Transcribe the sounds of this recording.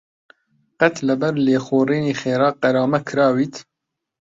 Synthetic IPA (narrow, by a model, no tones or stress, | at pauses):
qɛt̪lɐbɛɾleːxoːriːniːxeːɾɑːqɛɾɑːmɛkʰɨɾɑːwiːt̪